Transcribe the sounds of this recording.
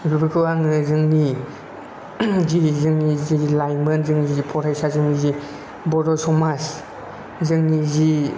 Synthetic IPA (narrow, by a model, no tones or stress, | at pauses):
ɾubɯkʰɯaŋɯzɯŋni | zizɯŋnizilajmɯnzɯŋnizzipʰɔɾajsazɯŋnizi | bɔɾɔsɔmas | zɯŋnizi